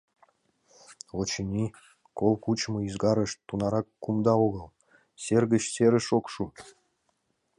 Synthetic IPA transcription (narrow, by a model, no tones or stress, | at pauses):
ot͡ɕinʲi | kolˠkut͡ɕmɤizɡɑɾə̆ʃt̪unɑɾɑkːumd̪ɑoɣəlˠ | serɣə̆t͡ɕseɾə̆ʃokʃu